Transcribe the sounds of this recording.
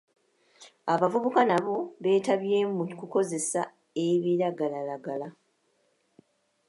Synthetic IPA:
aβavuβukanaβo̞βe̞ːtaβje̞ːmukuko̞ze̞sa | eβiɾaɡalalaɡala

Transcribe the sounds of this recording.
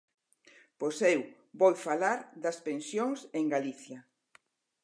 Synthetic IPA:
posew | bojfalaɾd̪ɐspẽnsjoŋseŋɡaliθjɐ

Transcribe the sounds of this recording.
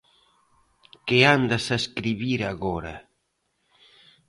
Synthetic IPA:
keand̪ɐsaeskɾiβiɾaɣɔɾɐ̰

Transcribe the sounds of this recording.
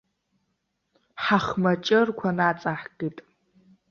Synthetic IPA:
ħaχmɐt͡ʃʼɐrkʷʰanaːt͡sʼaħɡitʼ

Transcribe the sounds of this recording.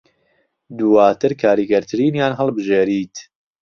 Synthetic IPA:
d̪uwaːt̪ʰɨɾkʰaːɾiːɡɐɾt̪ʰɨɾiːnjaːnɦɐlˠbɨʒeːɾiːt̪

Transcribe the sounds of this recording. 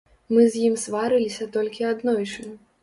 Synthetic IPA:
mɨzʲjimsvaɾɨlʲisʲɐt̪ɔlʲkʲiad̪nɔjt͡ʂɨn

